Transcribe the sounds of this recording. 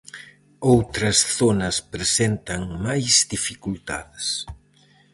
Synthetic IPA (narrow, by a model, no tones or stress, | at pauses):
owt̪ɾɐsθonɐspɾesent̪ɐŋmajzd̪ifikult̪a̰ðɪs